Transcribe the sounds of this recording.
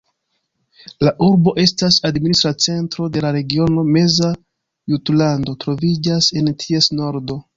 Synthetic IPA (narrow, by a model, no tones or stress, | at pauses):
laʔuɾbo̞ʔe̞stasadministɾat͡se̞ntɾo̞de̞laɾe̞ɡio̞no̞me̞za | jutlando̞tɾo̞vid͡ʒase̞ntʰie̞sno̞ɾdo̞